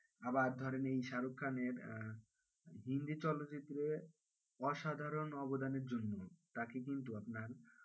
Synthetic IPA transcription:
abaɾd̪ʱɔɾenejʃaɾokʰːaneɾ | ɦind̪it͡ɕɔlot̪ːt͡ɕit̪ːɾe | ɔʃad̪ʱaɾonɔbod̪aneɾd͡ʑonːot̪akek̬int̪uapnaɾ

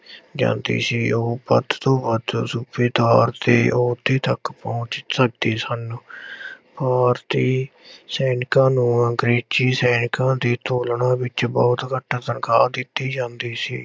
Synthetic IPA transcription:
d͡ʒã̰ːnd̪ḭːsiːoːpə̰t̪t̪õːbad̪sʊbiːd̪aːɾt̪eːʔoːt̪iːt̪əkpɔ̃ːt͡ʃsək̚d̪iːsən | paːɾt̪iːsɛːnɪkãːnũːɡɾeːt͡ʃiːsɛːnɪkãːd̪iːt̪oːlɳãːbɪt͡ʃbɔːt̪kəʈːaːt̪ənkaːd̪ɪt̪ːiːd͡ʒãːnd̪iːsḭː

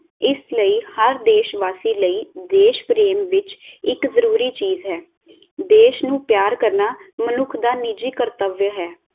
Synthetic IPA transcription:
ɪsləiːhəɾd̪eːʃʋaːsiːləiːd̪eːʃpɾeːmʋɪt͡ʃɪkzəɾuːɾiːt͡ʃiːzɦɛː | d̪eːʃnũːpjaːɾkəɾnaːmənʊkʰd̪aːnɪd͡ʒiːkəɾt̪əʋjəɦɛː

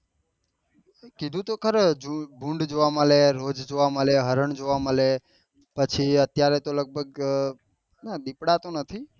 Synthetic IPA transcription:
kid̪ʱũt̪okʰəɾd͡ʒubʱũɳɖd͡ʒoʋaməleɾod͡ʒd͡ʒoʋaməleɦəɾəɳd͡ʒoʋaməle | pət͡ʃʰiət̪jaɾet̪oləɡ̚bʱəɡ̚ | naɗipɽat̪onət̪ʰi

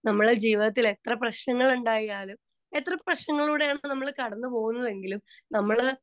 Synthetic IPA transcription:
nɐmːɐɭed͡ʑiːʋiðɐt̪ːile̞t̪rɐp̬rɐɕɳɐŋːɐɭuɳɖaːjiaːlum | e̞t̪ːrɐprɐɕnɐŋːɐɭuːɽejaːɳnɐmːɐɭkɐɽɐnːɨpo̞ːɣunːɐðe̞ŋɡilumnɐmːɐɭ

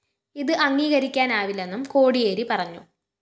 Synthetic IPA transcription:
iðɨʔɐŋːiːɣɐɾikʲːaːnaːʋilːe̞nːumko̞ːɽijeːɾipɐrɐɲːu

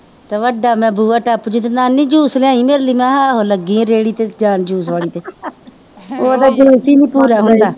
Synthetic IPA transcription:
t̪eːʋəɖaːmɛ̃ːbuːaːʈaːpd͡ʒuːt̪enaːnĩːd͡ʒuːsleãːĩːmeːɾliːmɛ̃ːɦaːɦoːləɡĩːɾeːɽiːt̪eːd͡ʒaːnd͡ʒuːsʋaːɽiːt̪eː | oːd̪aːd͡ʒeːsiːnĩːpuːɾaːɦʊnd̪aː

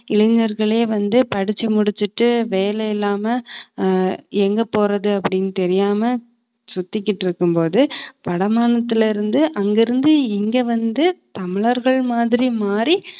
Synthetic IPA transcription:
ɪɭɐɲɐɾɣɐɭeːʋɐnd̪ɯpɐɽɪt͡ʃːɐmʊɽɪt͡ʃːɯʈːɯʋeːlɐjɪlːaːmɐ | ɛŋɡɐpːoːɾɐðɯɐpːɐɽɪnːt̪ɛɾɪjaːmɐ | sʊt̪ːɪk̬ʲːɪʈːɪɾɯkːɯmpoːðɯpɐɽɐmaːnɐt̪ːɪlɪɾɯnd̪ɯʔɐŋɡɪɾɯnd̪ɯɪŋɡeːʋɐnd̪ɯt̪ɐmɪɭɐɾɣɐɭmaːðɪɾimaːɾi

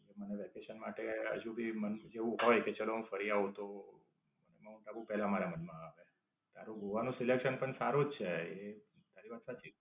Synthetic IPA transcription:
eməneʋɛkeʃənmaʈeə̰d͡ʒũbʱimənd͡ʒeʋũɦojket͡ʃəloɦũfəɾiaʋũt̪o | mənemaoʈabũpɛɦlamanemənmãaʋe | t̪aɾũɡuʋanũsilekʃənpəɳsaɾud͡ʒt͡ʃʰee | t̪aɾiʋat̪sat͡ʃʰi

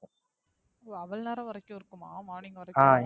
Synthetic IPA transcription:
ɐʋɐlnɐɾɐʋɐɾɐkːɯ̃ɪɾɯkːɯmaːmaːɳɪŋɡɐʋɐɾɐaː

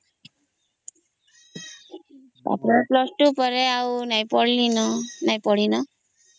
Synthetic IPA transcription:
a̰pɾɔplɔsʈupɔɾeawnajpɔɽlinɔnajpɔɽ̤inɔ

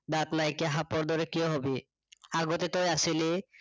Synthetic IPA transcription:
d̪at̪najkeɦapɔɾd̪ɔɾekioɦɔbi | aɡot̪et̪ojaʃili

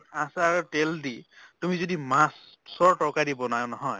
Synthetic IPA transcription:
ãsaɹtelditumizodimãs | sɔɹʈɔkadibɔnanɔɦɔj

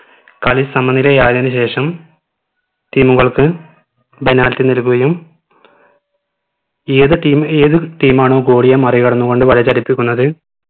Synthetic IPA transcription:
kɐlisɐmɐnːilejaːd̪ɐnɨɕe̞ːʂɐm | ʈiːmuɣɐɭkɨ | be̞naːlt̪ːinilkuɣɐjum | eːðɨʈiːmeːðɨʈiːmaːɳo̞ːɡo̞ːɽijɐmɐrikɐɽɐnːuɣo̞ɳɖɨʋɐɻɐt͡ɕɐɾipːikʲːunːɐðɨ

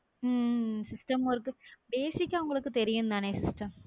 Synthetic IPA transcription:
sisʈɐmɐʋɐrkɨbe̞ːsikʲːɐʋɐŋːɐɭokːɨt̪e̞ɾijunːðaːɳeːsisʈɐm

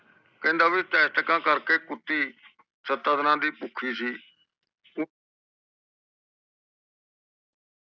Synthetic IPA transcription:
kɛ̃ːnd̪aːʋiːt̪ɛːst̪əkãːkəɾkeːkʊt̪ːiː | sət̪aːd̪nãːd̪iːpʊkʰiːsiː

